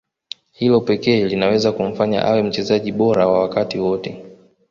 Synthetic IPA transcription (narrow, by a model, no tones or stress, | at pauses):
hilɔpɛkɛːlinawɛzakum̩faɲa̰ʔawɛm̩t͡ʃɛzaʄiɓɔɾawawakatiwɔtɛ